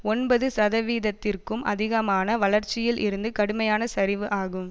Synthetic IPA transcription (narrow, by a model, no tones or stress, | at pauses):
ɔnbɐðɯsɐðɐʋiːðɐt̪ːɪrkɯmʔɐ̰ðɪɣɐmaːnɐʋɐɭɐɾt͡ʃːɪjɪlʔɪ̰ɾɯnd̪ɯkɐɽɯmɐjaːnɐsɐɾɪʋɯʔaːɣɯm